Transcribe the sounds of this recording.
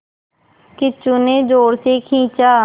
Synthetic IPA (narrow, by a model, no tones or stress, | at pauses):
kɪt͡ʃʊnẽːd͡ʒoːɾseːkʰĩːt͡ʃaː